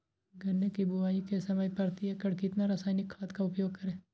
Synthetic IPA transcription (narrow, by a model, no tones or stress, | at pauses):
ɡʱɐnːekibʊaːikesɐməjpɐɾt̪iɦɛkɐɽkɪt̪naɾɐsaːɪnɪkʰːaːt̪kaʊpjoːɡ̚kɐɾẽː